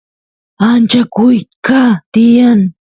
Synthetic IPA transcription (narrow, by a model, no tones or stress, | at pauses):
ant͡ʃakʊjkat̪ɪjaŋ